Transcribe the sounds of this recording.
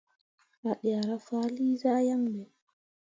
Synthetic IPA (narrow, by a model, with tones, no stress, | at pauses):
ʔa˨ɗa˨ɾa˦faː˦liː˦zaː˦ja˦mbɛ